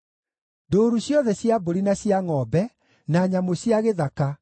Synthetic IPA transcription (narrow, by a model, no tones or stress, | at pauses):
doːɾuɕjɔðɛɕjaboɾinaɕjaŋɔbɛ | naːɲamoɕjaɣeðaka